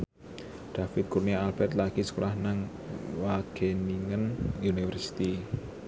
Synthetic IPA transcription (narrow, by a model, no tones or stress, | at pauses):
ɖ̪̥a̤fɪt̪̚kurniaalb̥ɛrt̪laɡ̥isə̥kolahnaŋ | waɡ̥eniŋənunifərsi̥t̪i